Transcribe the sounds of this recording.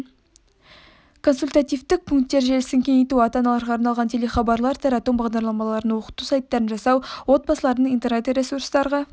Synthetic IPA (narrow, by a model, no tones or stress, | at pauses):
kʰo̞nsulʲt̪at̪ijvt̪ɪk̚pʰuŋk̚t̪ːe̞ɾʒelɪsɪŋkʲʰeŋejt̪uɑt̪ɑnɑlˠɑɾʁɑːɾnɑlˠʁɑnt̪ʰe̞le̞χɑbɑɾlˠɑɾt̪ʰɑɾɑt̪ombɑʁd̪ɑɾlˠɑmɑlˠɑɾənwo̞qə̥t̪usɑjt̪ːɑɾənʒɑsɑwwo̞t̪̚bɑsəlˠɑɾd̪əɴint̪enet̪ɾʲe̞suɾst̪ɑɾʁɑ